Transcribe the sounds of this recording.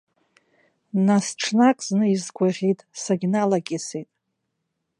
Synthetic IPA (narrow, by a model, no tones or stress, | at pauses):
nasʈ͡ʂʰnakʼznɨizɡʷarʲitʼsaɡʲnalaɡʲʼisejtʼ